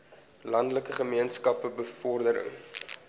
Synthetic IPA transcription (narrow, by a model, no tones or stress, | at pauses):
lɐndələkəχəmiənskɐpəbəfɔrdəɾə̰ŋ